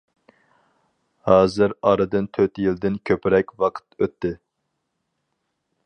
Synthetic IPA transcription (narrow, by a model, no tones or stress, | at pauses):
hɑːzɨɾɑɾɨd̪ɨnt̪ʰøt̪jild̪ɪnkʲʰøpʰɪɾɛkʲwɑqʰə̥t̪øt̪ʰːɪ